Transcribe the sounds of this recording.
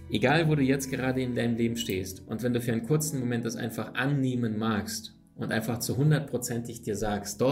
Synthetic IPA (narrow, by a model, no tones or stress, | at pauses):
ʔeɡaːlvoːɾuːjɛt͡st̚ɡ̥əʁaːdəɪndaɪnəmleːbm̩ʃteːstʔʊntv̥ɛnduːfyːɐaɪənkʰʊɐt͡sn̩momɛntd̥asʔa̰ɪnfaχʔanːeːmənmaːkst | ʔʊntʔa̰ɪnfaχt͡suɦʊndɐt̚pʁ̥ot͡sɛntɪçd̥iːɐzaːkstd̥ɔ